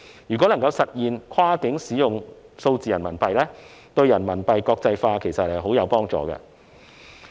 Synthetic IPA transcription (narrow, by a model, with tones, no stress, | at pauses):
jyː˨˩kɔ˨˥lɐ˨˩ŋkɐ˧wsɐ˨t̚jiː˨nkʰaː˥kɪ˨˥ŋsiː˨˥jʊ˨ŋ | so˧wt͡siː˨jɐ˨˩nmɐ˨˩npɐ˨jlɛː˥ | t̪ɵ˧ɥjɐ˨˩nmɐ˨˩npɐ˨jkɔː˧k̚t͡sɐ˧jfaː˧kʰe˨˩jsɐ˨t̚hɐ˨jɦo˨˥wjɐ˨˧wpɔː˥ŋt͡sɔ̰ː˨ɡɐ̰˧